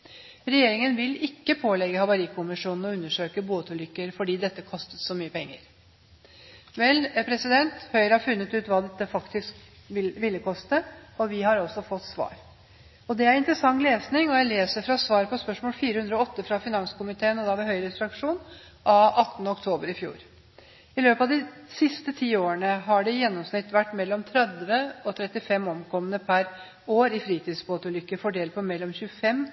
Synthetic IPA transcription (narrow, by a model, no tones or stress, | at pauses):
ɾɛjeːɾɪŋənʋɪlɪkːəpʰoːlɛɡːəhɑʋɑɾiːkʰʊmɪʂuːnn̩ɔʉnːəʂøːkəbuːɑt̪ʉlʏkːəɾfɔɖiːd̪ɛt̪ːəkʰɔst̪ət̪sɔmyːəpʰɛŋːə̰ɾ | ʋɛlpʰɾɛsɪd̪ɛnt̪hœʏɾəhɑɾfʉnːət̪ʉːt̪ʋɑːd̪ɛt̪ːəfɑkt̪ɪsk | ʋɪʋɪlːəkʰɔst̪əɔʋɪhɑɾɔsɔfɔt̪ːsʋɑ̰ːɾ | ɔd̪ɛæɾɪnt̪ɾəsɑŋːleːsnɪŋɔjæɪleːsəɾfɾɑsʋɑːɾpɔspœʂmoːlfiːɾəhʉnd̪ɾɔɔt̪ːəfɾɑfɪnɑŋskʊmɪt̪ʰeːənɔd̪ɑʋɛɦœʏɾəsɾɑkʂuːn | ʔɑɑt̪ːənəɔk̚t̪ʰoːbəɾɪfjṵːɾ | ɪløːpɑʋd̪ɪsɪst̪ət̪ʰiːoːɾəɳəɦɑɖɛjɛnːɔmsnɪt̪ːʋæʈːmɛlːɔmt̪ʰɾɛd̪ʋəɔt̪ʰɾɛt̪ːɪfɛmːɔmkʰɔmːənəpʰæɾ | oːɾɪfɾiːt̪ʰiːd̪sboːt̪ʉlʏkːəfɔɖeːl̚pʰɔmɛlːɔmçʉːəfɛmː